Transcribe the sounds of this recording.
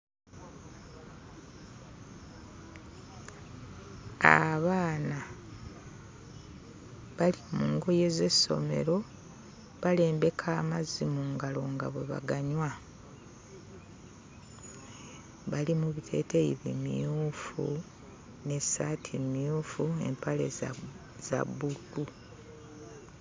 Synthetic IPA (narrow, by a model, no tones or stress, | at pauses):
a̰βaːna | βalimuːŋɡo̞je̞ze̞sːo̞̰me̞̰ɾo̞ | βale̞ːmbe̞kʰaːmazimuŋɡalo̞ŋɡa̰βwe̞βa̰ɡaɲwa | βalimuβitʰe̞̰ːtejiβḭmḭjuːfṵ | ne̞satʰimijuːfue̞̰mpale | z̥a̰buɡu